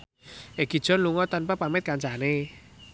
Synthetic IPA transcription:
ʔeɡ̥i̤d̥ʒ̥ɔ̤nluŋɔt̪anpapamɪt̪̚kaɲt͡ʃane

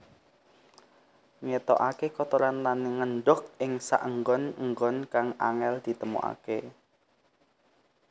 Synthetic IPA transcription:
ŋet̪ɔ̰ʔakekɔt̪oɾanlaneŋənɖʊk̚ɪŋsa̰ʔəŋɡɔnəŋɡɔnkaŋa̰ŋɛld̪̥i̤t̪əmṵa̰ke

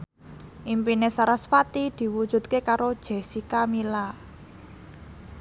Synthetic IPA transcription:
ʔimpinesaɾasfat̪id̪̥i̤wud̥ʒ̥ṳt̪̚kekaɾod̥ʒ̥e̤sikamila

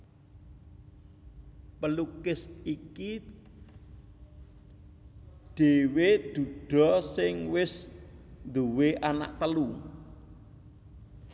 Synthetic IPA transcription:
pəlukɪsiki | ɖ̪̥e̤wed̪̥ṳd̪̥ɔ̤sɪŋwɪsnd̪uweʔana̰ʔt̪əlu

